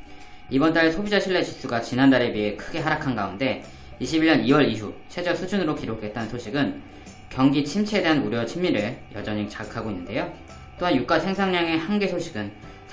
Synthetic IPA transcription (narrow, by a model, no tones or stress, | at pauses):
ibʌnt͈aɾesʰobid͡ʑaɕʰiɭːe̞t͡ɕi̥s͈uɡat͡ɕinandaɾe̞piɦe̞kʰɯɡe̞ɦaɾakʰanɡaunde̞ | iɕʰibiɭːɲʌniwʌɾiɦut͡ɕʰe̞d͡ʑʌk̚s͈ʰud͡ʑunɯɾokiɾokʰe̞t̚t͈anɯnsʰoɕʰiɡɯn | kjʌŋɡit͡ɕʰimt͡ɕʰede̞ɦanuɾjʌt͡ɕʰimːiɾɯɭjʌ̰d͡ʑʌɲit͡ɕakʰaɡoinːɯnde̞jo | t͈oɦanjuk͈asʰe̞ŋsʰaŋɲaŋe̞hanɡe̞sʰoɕʰiɡɯn